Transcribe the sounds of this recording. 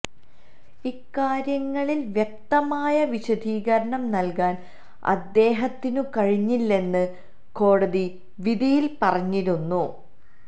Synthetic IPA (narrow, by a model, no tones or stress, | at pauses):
ikːaːɾjɐŋːɐɭilʋjek̚t̪ɐmaːjɐʋiɕɐd̪ʱiːɣɐɾɐɳɐmnɐlkaːn | ɐ̰d̪ːe̞ːɦɐt̪ːinukɐɻiɲːilːe̞nːɨ | ko̞ːɽɐði | ʋid̪ijilpɐrɐɲːiɾunːu